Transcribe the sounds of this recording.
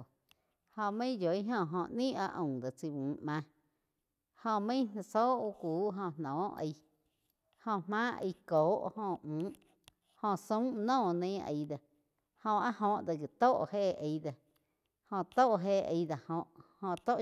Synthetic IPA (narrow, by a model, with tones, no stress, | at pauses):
hõ˧mə̃˦jo˨i˦ɦõ˧˨ɦõ˧ʔnĩ˦a˧ʔõ˨d̪a˨t͡si˧wũː˨˦˨mã˧ | hõ˧mə̃˦na˧so˦ʔu˧kʷuː˨˦ɦõ˧˨n̥nɔ̃ː˨˦ə̰˧j | hõ˧mãː˦i˧koː˨˦ʔhõ˧˨ũː˨˦ʔ | hõ˧˨sũ˦nɔ̃ː˦˨nẽ˦˧ə̰˨˧jd̪a˨ | hõ˧ʔa˦ʔɦõ˧˨ʔd̪a˧˨ɡi˨t̪o˦˨ʔhe˦˨ə˧jd̪a˨ | hõ˧t̪o˦˨ʔɦe˦˨ə̰˧jd̪a˨hõ˧ʔhõ˧ʔt̪o˦ʔ